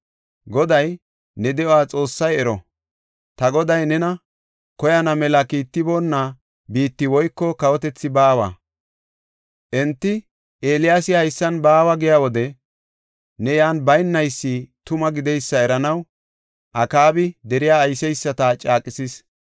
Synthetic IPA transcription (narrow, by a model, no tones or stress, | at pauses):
ɡɔd̪ɐj | nɛd̪ɛowaːt͡sʼo̞ːsːɐjɛɾɔ | t̪ɐɡɔd̪ɐjnɛnɐ | kɔjɐnɐmɛlɐkiːt̪ːɪbo̞ːnːa | biːt̪ːɪwɔjkːɔkɐwɔt̪ɛt͡sːɪbaːwa̰ː | ʔɛnt̪ːɪ | ʔe̞ːlɪjaːsɪhɐjsːɐnbaːwɐɡɪjaːwɔd̪ɛ | nɛjaːnbɐjnːɐjsːit̪ʊmɐɡɪd̪ɛjsːɐɛɾɐnɐw | ʔɐkaːbɪd̪ɛɾɪjaːjsɛjsːɐt̪at͡ʃʼaːkʼɪsis